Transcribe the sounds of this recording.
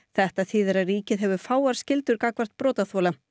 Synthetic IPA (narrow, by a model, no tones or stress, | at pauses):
θɛht̪aθɪːðɛɾariːcɪðɦɛvʏ̥faːwaɾ̥scɪlt̪ʏɾkaːkvar̥t̪̚pɾɔːt̪aθɔːla